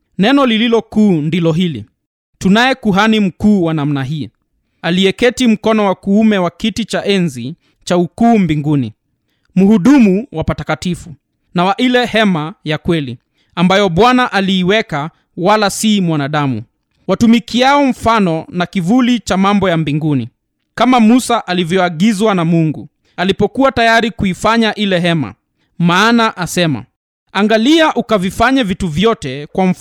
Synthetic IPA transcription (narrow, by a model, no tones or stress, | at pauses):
nɛnɔlililɔkuːndilɔɦilḭ | tunajɛkuɦanim̩kuːwanam̩naɦiː | aliɛkɛtim̩kɔnɔwakuumɛwakitit͡ʃaʔɛnzi | t͡ʃaukuːmbiŋɡunḭ | muhuɗumuwapatakatifu | nawaʔilɛhɛmajakwɛlḭ | ambajɔɓwanaʔaliːwɛka | walasimwanaɗamṵ | watumikiaɔɱ̩fanɔnakivulit͡ʃamambɔjambiŋɡunḭ | kamamusaʔalivjɔaɠizwanamuŋɡu | alipɔkuatajaɾikuifaɲaʔilɛɦɛma̰ | maːnaʔasɛma̰ | aŋɡaliaʔukavifaɲavituvjɔtɛkwam̩